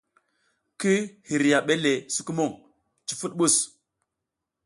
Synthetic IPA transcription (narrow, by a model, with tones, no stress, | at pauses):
ki˦hi˨ɾja˨ɓe˦le˨su˦ku˦mo˦˨ŋ | t͡ʃi˨fu˦t̚ɓu˦˨s